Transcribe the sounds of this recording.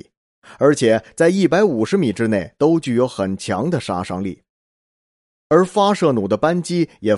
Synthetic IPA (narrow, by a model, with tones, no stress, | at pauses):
ə˞˧˥t͡ɕʰjɛ˨˩t͡sa˥˧ɪi˥˩pa˧˥ɪu˨˩ʂɻ̩˧˥mi˨˩ʈ͡ʂɻ̩˥ne˥˩ɪt̪o˥ʊt͡ɕy˥˩jo˧˥ʊxə˨˩nt͡ɕʰjɑ̰˧˥ŋd̪ə˨ʂa̰˥ʂɑ̰˥ŋlḭ˥˩ | ə˞˧˥fa˥ʂɤ˥˩nu˨˩d̪ə˦pa˥nt͡ɕi˥jɛ˨˩